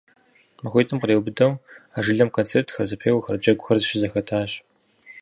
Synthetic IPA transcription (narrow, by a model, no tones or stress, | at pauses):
mɐxʷeːtʰɨmqreːwbɨdɐwaːʒɨɮɐmkʰoːnt͡sʰeːrtʰxɐrzɐpʰeːjwɐxɐrd͡ʒɐɡʷʊxɐrzɨʃɪzɐxɐtʰaːɕ